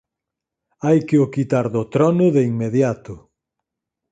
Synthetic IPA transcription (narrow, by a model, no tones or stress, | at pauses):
ajkɪʊkit̪aɾðʊt̪ɾɔnʊðeiŋmeðjat̪ʊ